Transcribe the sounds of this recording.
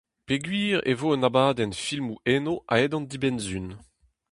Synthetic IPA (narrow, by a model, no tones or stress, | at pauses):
peɡɥiːʁḛvoːənabaːd̪ɛnfilmuʔeːnoʔa̰ɛd̪ɑ̃nd̪ibɛnzyn